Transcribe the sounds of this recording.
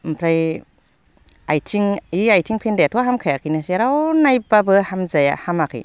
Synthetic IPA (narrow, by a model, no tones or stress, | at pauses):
mpʰɾaj | ajtʰiŋiajtʰiŋpʰendajatʰɔɦamkʰajakʰinɯseɾawnajbabɯhamzaja̰hamakʰɯ̰j